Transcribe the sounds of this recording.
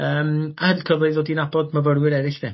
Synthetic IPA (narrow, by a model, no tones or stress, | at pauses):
əːmahədlkʰəðɨðodinabɔdməvəɾwɪɾɛɾɪɬðɛ